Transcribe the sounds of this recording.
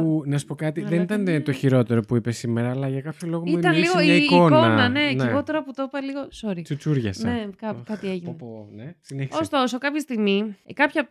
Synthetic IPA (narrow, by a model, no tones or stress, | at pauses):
unɐsu̥po̞kɐt̪iðenit̪ɐnt̪o̞çiɾo̞t̪e̞ɾo̞puipesimeɾɐːlɐʝɐkɐpçolo̞ɣomit̪ɐnlliɣoeikooɐnɐne̞niɣo̞t̪e̞ɾoput̪opɐliɣo̞soɾit͡sut͡suɾʝɐsnekɐkɐieʝinnponesineçisost̪o̞so̞kɐpçest̪iɣmikɐpçɐ